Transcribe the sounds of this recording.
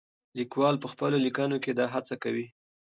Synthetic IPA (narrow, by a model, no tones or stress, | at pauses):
likwɑlpəxpəlolikɑnoked̪ɑɦat͡sakawi